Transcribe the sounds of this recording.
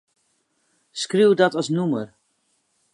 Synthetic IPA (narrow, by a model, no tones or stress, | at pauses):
skriwdɔtɔsnumər